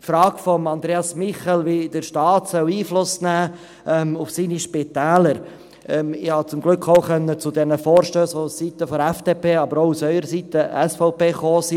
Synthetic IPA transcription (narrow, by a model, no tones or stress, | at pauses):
fɾɑːkfɔmɑnd̪ɾeːɑsmɪχɛlʋid̥əɾʃtɑːtsœwiːflʊsnæː | ʔɛmufsiːniʃpɪt̪æːləɾ | ɛmɪhɑt͡sʊmɡlʏkʰːoʊχœnːət͡sʊdɛnəfɔːɾʃtøːsɔsit̪əfɔɾɛfd̥epʰeːɑbəɾoʊusœʏəɾəsit̪əɛsfɔʊpeːχoːsi